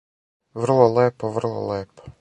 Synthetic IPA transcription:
ʋrlˠɔlˠɛpɔʋrlˠɔ̰lˠɛpɔ̥

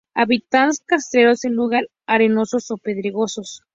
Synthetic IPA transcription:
aβit̪anskast̪ɾeɾo̞senluɣaɾ | aɾeno̞so̞so̞peðɾiɣo̞sos

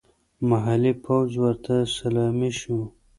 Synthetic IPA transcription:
maɦalipʰawd͡ʒwəɾt̪ʰasalɑmiʃu

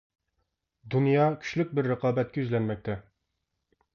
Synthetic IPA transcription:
d̪unjɑkʲʰy̥ʃlyk̚ʲbɪɾːəqɑːbɛt̪̚kʲɛyzlɛnmɛk̚ʲt̪ʰɛ

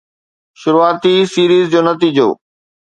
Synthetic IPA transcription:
ʃʊɾuaːt̪isiːɾiːzd͡ʑoːnɐt̪iːd͡ʑo̰ː

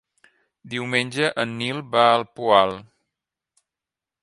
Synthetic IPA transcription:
d̪iwmenʲʒəʔənːilˠbaəlˠpualˠ

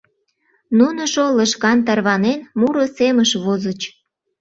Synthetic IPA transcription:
nunoʃoləʃkɑnt̪̬ɑrβɑnenmuɾoseməʃβozət͡ɕ

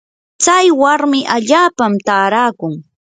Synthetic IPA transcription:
t͡sajwaɾmɪʔaʎaːpamt̪aːɾaːkʊŋ

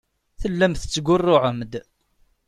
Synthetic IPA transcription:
θəlːæmθət͡sːɡʷʊrˤːʊʕəmd̪

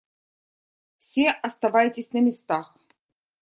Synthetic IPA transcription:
fsʲeʔɐst̪ɐvajɪtʲɪsʲnɐmʲɪst̪ax

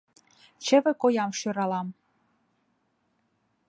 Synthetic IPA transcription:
t͡ɕə̆βɘ̆kojɑmʃøɾɑlɑm

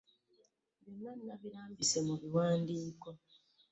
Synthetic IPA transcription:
βjonːanːaβiɾaːmbise̞muβiwaːndiːko

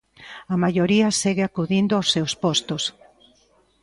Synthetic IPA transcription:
ɐmaʎoɾiɐseɣeakuðind̪oawsːewspɔst̪os

